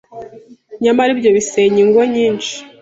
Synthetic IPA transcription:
ɲamaɾibɟo̞βiseɲiŋɡoɲiːnʃi̥

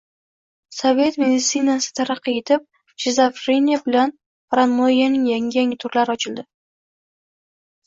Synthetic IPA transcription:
sove̞t̪me̞d̪ɪt̪sinasɪ̥t̪ʰaɾɑqːɨe̞t̪ʰɪp̚ | d͡ʒezafɾenijabɪlan | ɾanmojanɪŋjaŋʲɪaŋɪt̪ʰʊɾlaɾɪɒt͡ʃʰɪld̪ɪ

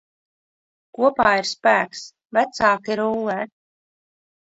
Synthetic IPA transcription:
kuɔpaːiɾspæːks | væt̪saːkiɾuːlɛ

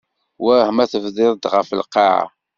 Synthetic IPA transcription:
wæhəmæθəvðɪɾˤəd̪ʁəfəlqːɑʕa̰

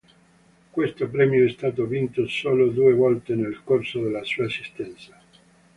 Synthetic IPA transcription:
kwest̪opɾɛmjoɛst̪aːt̪̬ovint̪osoːlod̪uːevɔlt̪enelkorsod̪elːasuːaesist̪ɛnt̪sḁ

